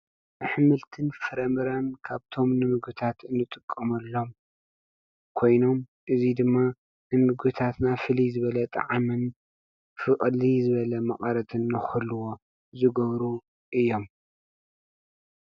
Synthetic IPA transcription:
ʔɨħɨmɨlt̪ʰɨnfɐɾɐmɨɾankʰaβt̪ʰo̞mnɨmɨɡɨt̪ʰat̪ʰɨnːɨt̪ʼɨkʼːɐmɐlːo̞m | kʰo̞jno̞mʔɨzid̪ɨmːa | nɨmɨɡɨt̪ʰat̪nafɨlizɨβɐlɐt̪ʼɐ̰ʕamɨn | fɨʔʼlizɨβɐlɐmɐχʼɐɾɐt̪ʰɨnːɐxɨluwo̞ | zɨɡɐβɾu | ʔɨjːo̞m

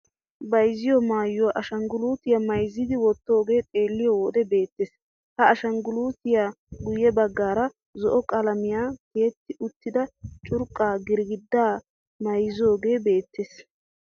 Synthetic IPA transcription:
bɐjzɪjɔmaːjːʊwaʔɐʃɐŋɡʊluːt̪ɪjamɐjzːɪd̪ɪwɔt̪ːo̞ːɡe̞ːt̪ʼe̞ːlːɪjɔwɔd̪ɛbe̞ːt̪ːes | hɐːʃɐŋɡʊluːt̪ɪjaː | ɡʊjɛbɐɡːaːɾɐ | zɔʔɔkʼɐlɐmɪjaːke̞ːt̪ːɪʔʊt̪ːɪd̪ɐt͡ʃʼʊɾkʼːaːɡɪɾɡɪd̪ːaː | mɐjzo̞ːɡe̞ːbe̞ːt̪ːeːs

